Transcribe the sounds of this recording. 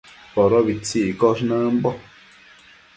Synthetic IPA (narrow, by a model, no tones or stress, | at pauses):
pɔɾɔβit͡siʔkɔʃnãmbɔ